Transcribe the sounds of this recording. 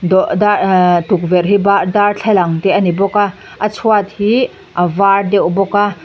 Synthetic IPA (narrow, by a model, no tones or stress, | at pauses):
dɔʔdat̪uk̚vɛrɦibad̪art͡ɬʰalaŋt̪ɛʔanibɔka | ʔat͡sʰuat̪̚hi | ʔavardɛwbɔka